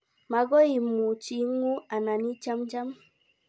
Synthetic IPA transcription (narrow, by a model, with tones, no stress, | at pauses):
ma˨ɡɔ˦i˨mu˨t͡ʃi˨˦ŋu˦a˨na˨ni˦t͡ʃa˦md͡ʒa˦m